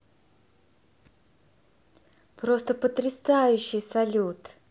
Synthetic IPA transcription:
pɾost̪əpət̪ɾʲɪsajʊɕːɪjsɐlʲut̪

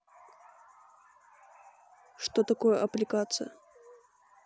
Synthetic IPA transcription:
ʂt̪ot̪ɐkojəʔɐplʲɪkat̪sɨ̰jə̰

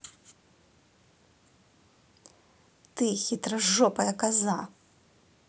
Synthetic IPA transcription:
t̪ɨxʲit̪ɾɐʐːɔpɐjɐkaza

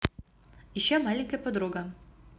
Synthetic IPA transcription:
iɕːæmɑlʲɪŋʲkəjɐpod̪ɾuɡə

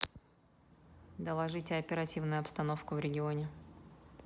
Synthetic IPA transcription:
d̪əlˠɐʐɨtʲɪɐpʲɪɾɐtʲivnʊjʊɐpst̪ɐno̞fkʊvɾʲɪɡʲɪo̞nʲɪ

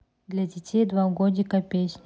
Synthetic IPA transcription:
d̪lʲadʲɪtʲejd̪vaɡodʲɪkɐpʲesʲnʲ

